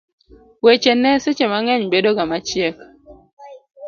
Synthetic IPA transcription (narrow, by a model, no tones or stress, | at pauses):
wet͡ʃenɛset͡ʃemaŋɛɲbedoɡamat͡ʃjɛk